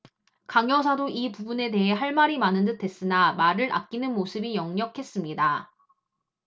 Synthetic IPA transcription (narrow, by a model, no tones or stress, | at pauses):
kaŋjʌs̬ʰadoipubune̞te̞ɦe̞ɦaɭmaɾimanɯndɯtʰe̞s͈ɯnamaɾɯɾʔa̰k̚k͈inɯnmosʰɯbijʌŋɲʌkʰe̞s͈ɯmɲida